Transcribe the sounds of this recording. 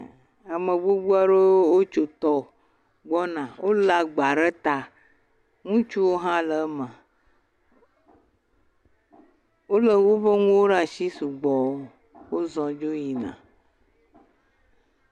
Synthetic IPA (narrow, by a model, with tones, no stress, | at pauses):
a˨mə̃˨ɡ͡bo˦bu˦a˦ɖe˦wo˦t͡ʃo˨t̪ɔ˦ | ɡ͡bɔ˦nã˨wʔo˦la˨ɡ͡ba˨ɖə˦t̪a˨ | ŋũ˦t͡ʃu˦wo˦ɦã˦lə˨˦mə̃˨ | wo˦lə˦wo˦ɸə˦ŋũ˦wo˦ɖa˨ʃi˦su˨ɡ͡bɔ˨˦ | wo˦zɔ̃˨d͡ʒo˦ji˨nã̰˨